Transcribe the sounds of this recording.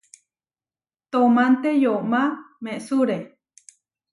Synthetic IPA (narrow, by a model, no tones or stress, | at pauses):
t̪omant̪ejoʔmamẽʔsuɾe